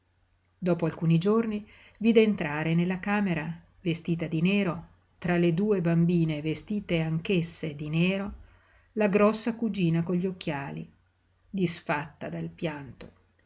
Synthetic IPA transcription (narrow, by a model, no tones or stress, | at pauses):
d̪ɔːpoalkuːnid͡ʒorni | viːd̪eːnt̪ɾaːɾenelːakaːmeɾa | vest̪iːt̪ad̪ineːɾo | t̪ɾaled̪uːebambiːnevest̪iːt̪eaŋk̟esːed̪inɛeːɾo | laɡɾɔsːakud͡ʒiːnakoʎːiok̟ːjaːlḭ | d̪isfat̪ːad̪alpjant̪o̥